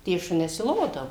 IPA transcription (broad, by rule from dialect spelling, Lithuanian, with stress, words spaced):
tʲiɛ ˈʃʊnʲɛs ɪ ˈlˠoːdɐʋʊ